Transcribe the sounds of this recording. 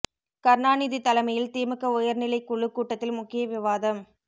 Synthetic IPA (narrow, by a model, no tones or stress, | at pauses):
kɐɾnaːniðit̪ːɐlɐmɐjɪlt̪iːmɯkːɐʊjɐɾnɪlɐɪkːʊɭːɯkːuːʈːɐt̪ːɪlmʊkːɪjɐʋɪʋaːðɐm